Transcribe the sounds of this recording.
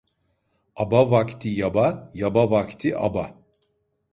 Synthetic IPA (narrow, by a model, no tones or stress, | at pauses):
abavakt̪ʰijabajabavakt̪ʰiʔa̰ba